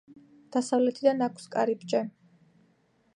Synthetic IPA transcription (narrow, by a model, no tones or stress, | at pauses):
d̪̥asavlɛt̪ʰid̪anakʷʰskʼaɾibt͡ʃʼɛ